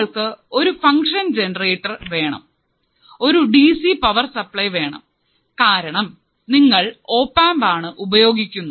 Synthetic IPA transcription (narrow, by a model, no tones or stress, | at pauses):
ɭkɨo̞ɾufɐŋkʂɐnd͡ʑenɐreːʈːɐrʋe̞ːɳɐ̰m | o̞ɾuɖiːsipɐʋɐrsɐpɭɐjʋe̞ːɳɐ̰m | kaːɾɐɳɐm | niŋːɐɭo̞ːpːaːmbaːɳɨʔubɐjo̞ːɡikʲːunːu